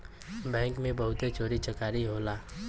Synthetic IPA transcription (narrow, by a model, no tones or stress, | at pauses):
bɛ̃ːŋkmẽbɐɦʊt̪et͡ʃoːɾit͡ʃɐkaːɾiɦoːlaː